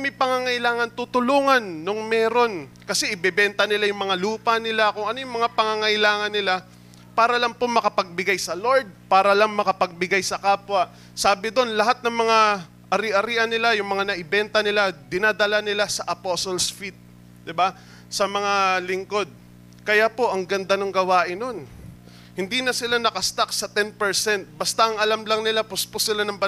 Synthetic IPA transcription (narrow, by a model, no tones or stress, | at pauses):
mɐjpɐŋaŋɐʔɪlaːŋɐnt̪ut̪ʊluːŋɐnːoŋmɛːɾo̞nkɐsɛʔɪbɛbɛnt̪ɐnɪlajʊŋmɐŋaluːpɐnɪlakʊŋɐnojʊŋmɐŋapɐŋaŋɐʔɪlaːŋɐnːɪla | paːɾɐlaŋpomɐkɐpɐɡ̚bɪɡajsɐlo̞ɹd̪̚paːɾɐlaŋmɐkɐpɐɡ̚bɪɡajsɐkaːpwɐʔ | saːbɪd̪o̞nlɐɦat̪̚nɐŋmɐŋa | ʔɐɾɪʔɐɾiʔɐnːɪlajʊŋmɐŋanɐʔɪbɛnt̪ɐnɪlad̪ɪnaːd̪ɐlanɪlasɐʔɐposolsfit̪̚ | d̪ɪba | sɐmɐŋalɪŋko̞d̪̚ | kɐjapo̞ʔɐŋɡɐnd̪anoŋɡɐwaːʔɪnːo̞n | hɪnd̪iːnɐsɪlanɐkɐst̪ak̚sɐt̪ɛnpɛɹsɛnt̪̚bɐst̪aʔɐŋʔɐlamlɐŋnɪlapʊspʊsɪlanɐŋbɐ